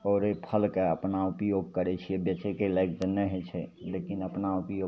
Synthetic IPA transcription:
ɔːɾepʰəlkeəpnaupjoɡ̚kəɾet͡ʃʰiebjət͡ʃekelaɡ̚d̪ənəɦet͡ʃʰɛlekinəpnaupjo

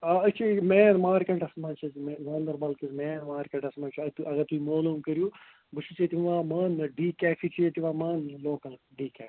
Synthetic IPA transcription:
aɐt͡ʃʰimɛːnmaːɾkɐ̃ɳʈɐsmãːt͡ʃʰɐzmnɐːnd̪ɐɾbɐːlkizmɛːnmaːɾkɐ̃ɳʈɐsmaːnt͡ʃʰɐt̪uʔɐɡɐt̪uimoːloːmkɐɾjuː | bɨt͡ʃʰit͡ʃʰit̪iʋaːmaːnɖiːkaːpʰit͡ʃʰiet̪iʋãːmaːnloːkɐl | ɖiːkʲɛːfi̥

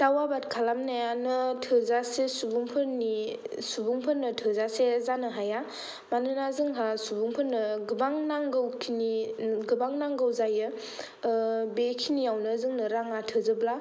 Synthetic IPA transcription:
tawabatkʰalamnajanɯtʰɯzasesubuŋpʰɯɾnisubuŋpʰɯɾnɯtʰɯzasezanɯɦaja | manɯnazɯŋɦasubuŋpʰɯɾnɯɡɯbaŋnaŋɡɯwkʰiniɡɯbaŋnaŋɡɯwzajɯ | bekʰinijawnɯzɯŋnɯɾaŋatʰɯzɯbla

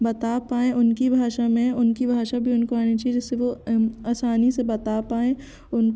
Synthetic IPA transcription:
bɐt̪aːpaːẽʔʊnkibʱaːʃamẽʊnkibʱaːʃabʱiʊnkoaːnit͡ʃaed͡ʒɪsːeʋoaːsaːnisebɐt̪aːpaːẽ | ʊnk

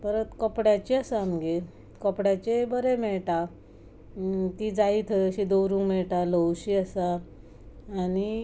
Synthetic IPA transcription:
t̪əɾət̪kɔpɽjat͡ɕiəsəamɡe | kɔpɽjat͡ɕebəɾemɛɭʈa | t̪iːd͡zaiːt̪ʰəjəɕid̪owɾũŋɡmɛɭʈaləwɕiːəsaː | ni

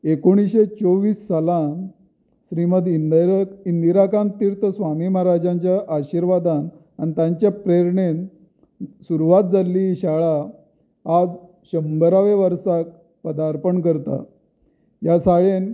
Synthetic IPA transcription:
ekoɽ̃iɕet͡soʋiːsːalan | ɕɾiməd̪ | ind̪iɾakãnt̪iɾt̪ʰəsʋamiːmaɾad͡ʑãɲt͡ɕjaʔaɕiɾʋad̪an | añit̪ãɲt͡ɕjapɾeɾɳen | suɾuʋat̪̚d͡zalːiɕaɭaː | d͡z | ɕəmbəɾaʋeʋəɾsak̚ | pəd̪aɾpəɳkəɾt̪a̰ | jasaɭen

